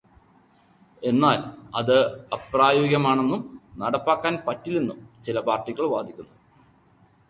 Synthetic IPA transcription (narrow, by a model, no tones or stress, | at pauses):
e̞nːaːlɐðɨɐpraːjoːɡjɐmaːɳe̞nːumnɐɽɐpːaːkːaːnpɐtːilenːumt͡ɕilɐpaːrʈːiɣɐɭʋaːd̪ʱikʲːunːu